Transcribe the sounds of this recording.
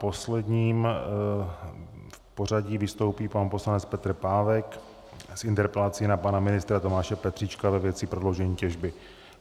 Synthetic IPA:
po̞slɛd̪ɲiːm | fpo̞r̝aɟiːvɪst̪o̞wpiːpanpo̞slanɛt͡spɛt̪r̩paːvɛk | sʔɪnt̪ɛɾpɛlat͡sɪnapanamɪnɪst̪ɾat̪o̞maːʃɛpɛt̪r̥iːt͡ʃkavɛvjɛt̪t͡sɪpɾo̞dlowʒɛɲiːcɛʒbɪ

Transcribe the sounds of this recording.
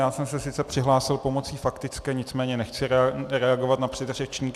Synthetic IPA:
jaːsɛmsɛsɪt͡sɛpr̥ɪɦlaːsɪlpo̞mo̞t͡siːfakt̪ɪt͡skɛːɲɪt͡smɛːɲɛnɛxt͡sɪɾɛɾɛaɡo̞vat̪napr̥ɛt̪rɛt͡ʃɲiːk

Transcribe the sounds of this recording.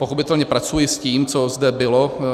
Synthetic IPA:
po̞xopɪt̪ɛlɲɛpɾat͡sujɪsciːmt͡sozdɛbɪlo

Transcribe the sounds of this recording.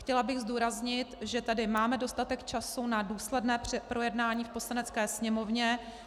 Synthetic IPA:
xcɛlabɪɣzduːɾazɲɪt̪ʒɛt̪adɪmaːmɛdo̞st̪at̪ɛkt͡ʃasunaduːslɛdnɛːpɾʔo̞jɛdnaːɲiːfpo̞slanɛt͡skɛːsɲɛmo̞vɲɛ

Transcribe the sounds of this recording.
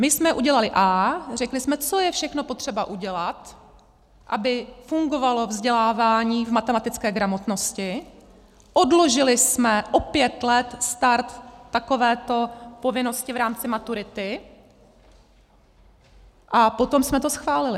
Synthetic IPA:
mɪsmɛʔuɟɛlalɪʔaːr̝ɛklɪsmɛt͡so̞jɛfʃɛxno̞po̞t̪r̥ɛbaʔuɟɛlat̪ | ʔa̰bɪfuŋɡo̞valo̞vzɟɛlaːvaːɲiːvmat̪ɛmat̪ɪt͡skɛːɡɾamo̞t̪no̞scɪ | ʔodlo̞ʒɪlɪsmɛʔopjɛt̪lɛt̪st̪aɾt̪ːako̞vɛːt̪o̞po̞vɪno̞scɪvɾaːmt͡sɪmat̪uɾɪt̪ɪ | ʔapo̞t̪o̞msmɛt̪o̞sxvaːlɪlɪ

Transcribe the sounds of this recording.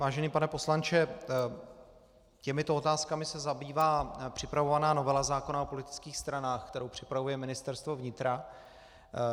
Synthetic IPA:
vaːʒɛniːpanɛpo̞slant͡ʃɛ | cɛmɪt̪oot̪aːskamɪsɛzabiːvaːpr̝̥ɪpɾavo̞vanaːno̞vɛlazaːko̞nao̞po̞lɪt̪ɪ̥t͡skiːxst̪ɾanaːxkt̪ɛɾo̞wpr̝̥ɪpɾavujɛmɪnɪst̪ɛɾst̪vo̞vɲɪt̪ɾa

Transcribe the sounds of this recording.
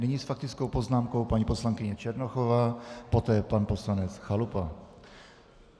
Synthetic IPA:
nɪɲisfak̚t̪ɪt͡skowpo̞znaːmko̞wpaɲipo̞slaŋkɪɲɛt͡ʃɛɾnoxovaːpo̞t̪ɛːpanpo̞slanɛt͡sxalupa

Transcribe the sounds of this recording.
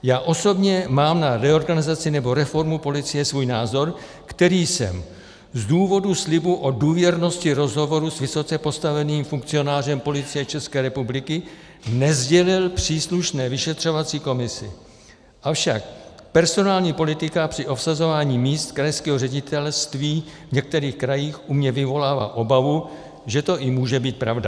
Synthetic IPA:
jaːʔo̞so̞bɲɛmaːmnaɾɛoɾɡanɪzat͡sɪnɛbo̞ɾɛfo̞ɾmupo̞lɪt͡sɪjɛsvuːjnaːzo̞ɾ | kt̪ɛɾiːsɛ̰m | zduːvo̞duslɪbuʔo̞duːvjɛɾno̞scɪɾo̞zɦo̞vo̞ɾusvɪso̞t͡sɛpo̞st̪avɛniːmfuŋk̚t͡sɪo̞naːr̝ɛmpo̞lɪt͡sɪjɛt͡ʃɛskɛːɾɛpublɪkɪ | nɛzɟɛlɪlpr̝̥iːsluʃnɛːvɪʃɛt̪r̝̥o̞vat͡siːko̞mɪsɪ | ʔafʃakpɛɾso̞naːlɲiːpo̞lɪt̪ɪkapr̝̥ɪʔo̞psazo̞vaːɲiːmiːst̪kɾajskɛːɦorɛɟɪt̪ɛlst̪viːvɲɛk̚t̪ɛɾiːxkɾajiːxʔumɲɛvɪvo̞laːva̰ːʔo̞bavu | ʒɛt̪o̞ʔɪmuːʒɛbiːt̪̚pɾavda

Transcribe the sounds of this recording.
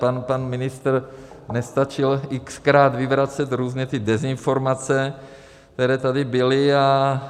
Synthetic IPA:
panpanmɪnɪst̪r | nɛst̪at͡ʃɪlʔɪkskɾaːt̪vɪvɾat͡sɛt̪ɾuːzɲɛt̪ɪdɛzɪnfo̞ɾmat͡sɛ | kt̪ɛɾɛːt̪adɪbɪlɪa

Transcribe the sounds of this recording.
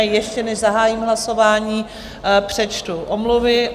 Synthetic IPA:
jɛʃcɛnɛʒzaɦaːjimɦlaso̞vaːɲiː | pr̥ɛt͡ʃt̪uʔomluvɪ

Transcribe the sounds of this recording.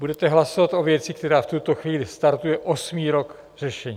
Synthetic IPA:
budɛt̪ɛɦlasovat̪ʔo̞vjɛt͡sɪk̚t̪ɛɾaːft̪ut̪o̞xviːlɪst̪aɾt̪ujɛʔo̞smiːɾo̞k | r̝̥ɛʃɛɲiː

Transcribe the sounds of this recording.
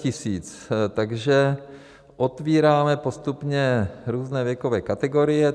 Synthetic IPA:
cɪsiːt͡s | t̪aɡʒɛ | ʔot̪viːɾaːmɛpost̪upɲɛɾuːznɛːvjɛkovɛːkat̪ɛɡo̞ɾɪjɛ

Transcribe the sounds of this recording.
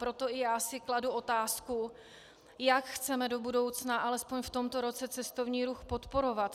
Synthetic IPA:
pɾo̞t̪o̞ʔɪjaːsɪkladuʔo̞t̪aːsku | jakxt͡sɛmɛdo̞budo̞wt͡snaʔalɛspo̞ɲft̪o̞mt̪o̞ɾo̞t͡sɛt͡sɛst̪o̞vɲiːɾuxpo̞t̪po̞ɾo̞vat̪

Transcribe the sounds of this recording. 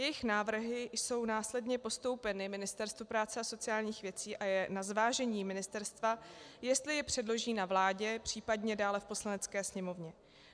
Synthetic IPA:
jɛjɪxnaːvr̩ɦɪso̞wnaːslɛdɲɛpo̞st̪o̞wpɛnɪmɪnɪst̪ɛɾst̪vupɾaːt͡sɛaso̞t͡sɪjaːlɲiːxvjɛt͡siːʔajɛnazvaːʒɛɲiːmɪnɪst̪ɛɾst̪vajɛst̪lɪjɛpr̝̥ɛdlo̞ʒiːnavlaːɟɛpr̝̥iːpadɲɛdaːlɛfpo̞slanɛt͡skɛːsɲɛmo̞vɲɛ

